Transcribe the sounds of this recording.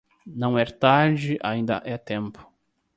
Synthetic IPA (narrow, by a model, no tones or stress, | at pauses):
nɐ̃w̃ɛɾt̪aɾd͡ʒɪʔaĩnd̪ɐ̰ʔɛt̪ẽmpʰʊ̥